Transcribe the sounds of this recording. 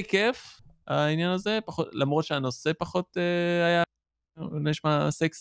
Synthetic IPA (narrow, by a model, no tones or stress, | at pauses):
ikefainjanaze̞paχotlamʁo̞t̪ʃeano̞se̞paχo̞t̪eaja | loiʃmaseks